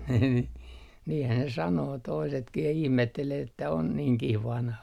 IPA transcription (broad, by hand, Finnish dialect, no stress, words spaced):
niː niːhæn ne sɑnoː toisetkih jɑ ihmetːeleː etːæ on niːŋkih ʋɑnhɑ